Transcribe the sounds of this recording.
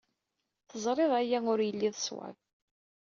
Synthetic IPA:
θəzˤɾˤeðˤæjæʊɾjəlːiðˤəswæ̰ð

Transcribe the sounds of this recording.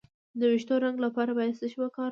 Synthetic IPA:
d̪əwɪʃt̪oɾaŋɡlapɑɾabɑjast̪əʃwakɑɾ

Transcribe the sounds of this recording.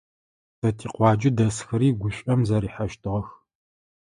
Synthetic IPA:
sɐtʰiːqʷɑːd͡ʒʼɪdɐsxɐɾiːɡʷʊɕʷʼɐmzɐɾiːħaʃtʰɨʁɐx

